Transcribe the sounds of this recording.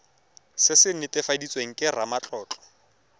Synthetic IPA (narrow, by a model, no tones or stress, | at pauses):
sɪsɪnɪtɪfadit͡sʼweŋ̩kʼɪramat͡ɬʼɔːt͡ɬʼɔ̥